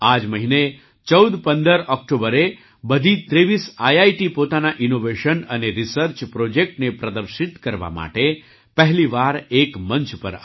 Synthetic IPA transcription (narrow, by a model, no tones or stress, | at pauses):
ad͡ʒməɦine | t͡ʃəwd̪pənd̪əɾɔk̚ʈobəɾe | bəd̪ʱit̪ɾeʋisajaiʈipot̪anaʔinoʋeʃənəneɾisəɾt͡ʃpɾod͡ʒek̚ʈnepɾəd̪əɾʃit̪kəɾʋa̰ma̰ʈe | pəɦliʋaɾekməɲt͡ʃpə̰ɾ